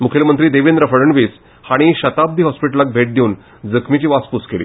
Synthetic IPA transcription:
mukʰelmənt̪ɾiːd̪eʋinɾəfəɽəɳʋis | haɽ̃iɕət̪ab̚d̪ʱiːɦɔspiʈəlak̚bʱeʈ̚d̪ʱeuːn | d͡zəkʰmit͡ɕiːʋaspuskelḭː

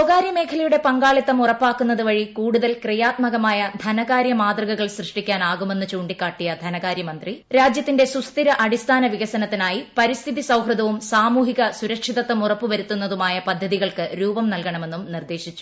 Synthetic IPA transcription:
sɐɣaːɾjɐme̞ːkʰɐlɐjuɽe̞pɐŋɡaːɭit̪ːɐmurɐpːaːkːunːɐðuʋɐɻikuːɽuðɐlkrijaːt̪̚mɐɣɐmaːjɐd̪ʱɐnɐɣaːɾjɐmaːd̪rɐɣɐɣɐɭsrɨʂʈikʲːaːnaːɣume̞nːut͡ɕuːɳɖikːaːʈːijɐd̪ʱɐnɐɣaːɾjɐmɐnd̪riɾaːd͡ʑjɐt̪ːinde̞sust̪iɾɐʔɐɽist̪ʰaːnɐʋiɣɐsɐnɐt̪ːinaːjipɐɾist̪ʰiðisɐwɦrɨd̪ɐʋumsaːmuːɦiɣɐsuɾɐkʂiðɐt̪ːɐmurɐpːuʋɐɾut̪ːunːɐðumaːjɐpɐd̪ʱːɐðiɣɐɭkɨɾuːbɐmnɐlkɐɳɐme̞nːumnird̪e̞ːɕit͡ɕːu̥

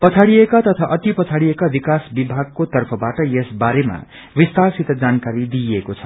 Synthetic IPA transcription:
pʌt͡sʰaɽiekat̪ʌt̪ʰaʔʌt̪ipʌt͡sʰaɽiekabikasbibʱaɡ̚kot̪ʌrpʰʌbaʈʌjesbaɾema̰ | wist̪asit̪d͡zankaɾid̪ijekot͡sʰʌ̥

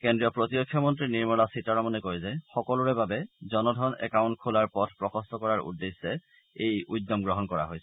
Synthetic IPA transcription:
kendɹijɔpɹotijokʰːjɔmɔntɹiniɹmɔlasitaɹɔmɔnɛkɔjzɛxɔkɔluɹɛbabɛzɔnɔdʱɔnɛ̰kaw̃nt̚kʰulaɹpɔtʰpɹɔkɔstɔkɔɹaɹṵdːesːɛ | ejudːɔmɡɹɔɦɔnkɔɹa̰ɦojsɛ

